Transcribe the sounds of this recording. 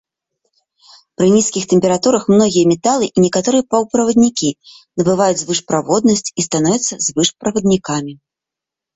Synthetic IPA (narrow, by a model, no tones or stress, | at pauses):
pɾɨnʲiskʲixt̪ɛmʲpʲɛɾat̪uɾɐxmnɔɣʲijɐmʲɛt̪alˠɨʔinʲɛkat̪ɔɾɨjɐpɐwpɾɐvɐd̪̚nʲikʲi | nɐbɨvajud͡zʲzvɨʂpɾavɔd̪nɐsʲt͡sʲist̪anɔvʲɐt̪sːɐzvɨʂpɾɐvɐd̪nʲikamʲi